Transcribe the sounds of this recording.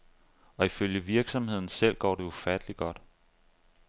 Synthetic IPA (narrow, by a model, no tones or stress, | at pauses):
ɒ̽iføljəʋiɐɡ̥sɒ̽mhe̝ð̰ˠn̩sel̰ɡ̥ɒ̰ːde̝ufæd̥əliɡ̥ɒ̽d̥